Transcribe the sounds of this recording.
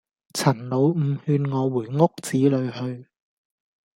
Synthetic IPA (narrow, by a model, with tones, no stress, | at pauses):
t͡sʰɐ˨˩nlo˨˧wm̩˨˧hyː˧nŋɔː˨˧wuː˨˩jŋʊ˥k̚t͡siː˨˥lɵ˨˧ɥhɵ˧ɥ